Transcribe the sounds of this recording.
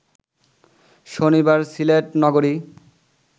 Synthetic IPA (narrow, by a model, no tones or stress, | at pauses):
ʃonibaɾsileʈnɔɡoɾi